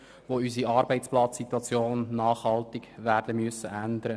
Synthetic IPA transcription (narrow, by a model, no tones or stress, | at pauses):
ʋoysiɑːɾbɛɪt͡splɑt͡ssit̪wɑt͡sjoːnːɑːχhɑlt̪ɪɡʋæːrdəmʏəsːəʔænd̪əɾə